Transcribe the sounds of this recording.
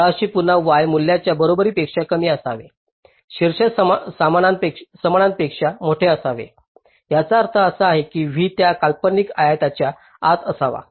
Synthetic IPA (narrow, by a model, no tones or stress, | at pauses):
əɕiːpunaʋʋajmulːjat͡ɕjabəɾobəɾiːpekʂakəmiːəsaʋḛ | ɕiɾɕəsamananeksəməɳãnpekʂamoʈʰeəsaʋḛ | ɦjat͡saːɾt̪ʰəəsəaɦekiːʋ̤iːt̪jakalpənikajajt̪at͡ɕja | at̪əsaʋa̰